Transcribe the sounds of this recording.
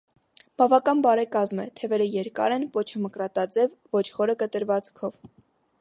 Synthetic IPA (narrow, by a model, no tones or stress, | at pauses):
b̥ɑvɑkɑnbɑɾɛkɑzmɛt̪ʰɛvɛɾəjɛɾkɑ̰ɾɛnpɔt͡ʃʰəməkɾɑt̪ɑd͡zɛvːɔt͡ʃʰχɔɾəkət̪əɾvɑt͡skʰɔv